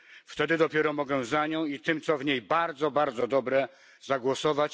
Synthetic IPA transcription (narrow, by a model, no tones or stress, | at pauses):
ft̪ɛd̪ɘd̪ɔpʲjɛɾɔmɔɡɛzaɲɔ̃w̃it̪ɘmt̪sɔvɲejbaɾd̪zɔbaɾd̪zɔd̪ɔbɾɛ | zaɡwɔsɔvat͡ɕ